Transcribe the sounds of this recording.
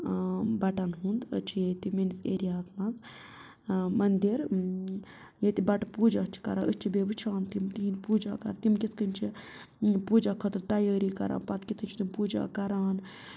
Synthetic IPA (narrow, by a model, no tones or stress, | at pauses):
bɐʈɐnɦund̪ə̰t͡ʃʰijeːt̪imeniseːɾijaːsmɐnz | mɐnd̪iɾ | jet̪ibɐʈɨpuːd͡ʒaːst͡ʃʰi̥kɐ̰ɾãːʔəst͡ʃʰibeːbɨt͡ʃʰaːnt̪imt̪iɦinpuːd͡ʒa̰ːkɐ̰ɾt̪imkit̪ʰkɨnʲt͡ʃʰi | puːd͡ʒaːkʰət̪ɾt̪ɐjəːɾiːkɐ̰ɾʔa̰ːnpɐt̪kit̪ʰɨnt͡ʃʰit̪impuːd͡ʒa̰ːkɐɾaːn